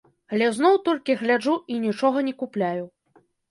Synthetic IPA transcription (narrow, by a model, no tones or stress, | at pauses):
ɣlʲɛznɔwt̪ɔlʲkʲiɣlʲad͡ʐuinʲit͡ʂɔɣɐnʲɛkuplʲaju